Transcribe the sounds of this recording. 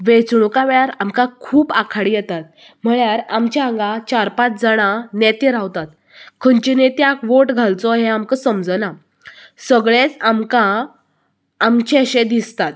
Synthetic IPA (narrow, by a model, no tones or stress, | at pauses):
ʋet͡sɽukaʋɭaɾamkãkʰuːpakʰaɽijɛt̪at̪̚ | m̤əɭjaɾamt͡ɕiãŋɡat͡ɕaɾpat͡sd͡zaɽ̃ãnɛt̪eɾaʋt̪at̪ | kʰənt͡ɕinet̪jakʋoʈɡʱalt͡sɔɦeamkəsəmd͡zəna | səɡɭet͡samka | mt͡ɕeəɕẽd̪ist̪at̪̚